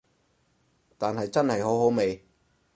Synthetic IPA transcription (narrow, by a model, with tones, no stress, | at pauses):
t̪aː˨nɦɐ˨jt͡sɐ˥nhɐ˨jɦo˨˥wɦo˨˥wme˨˧j